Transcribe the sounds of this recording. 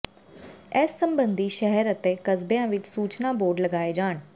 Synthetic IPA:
ɛːsːəmbənd̪iːʃɛɦəɾət̪eːkəzbeãːʋɪt͡ʃsuːt͡ʃnaːboːɖləɡaːeːd͡ʒaːɳ

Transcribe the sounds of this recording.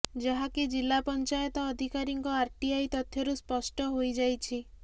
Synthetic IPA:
d͡ʒaɦakid͡ʒilːapɔnt͡ʃajɔt̪ɔːd̪ʱikaɾiŋkɔaɾʈiajt̪ɔt̪ʰjɔɾuspɔsʈɔɦojd͡ʒajt͡ʃʰi

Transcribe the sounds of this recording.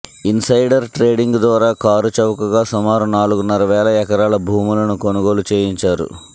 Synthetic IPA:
insɐjɖɐɾʈɾe̞ːɖiŋɡd̪ʋaːɾaːkaːɾut͡ʃɐʋɐkɐɡaːsumaːɾunaːluɡunɐɾɐʋɛːlɐɛkɐɾaːlɐbʱuːmulɐnukonuɡo̞ːlut͡ʃeːjiɲt͡ʃaːɾṵ

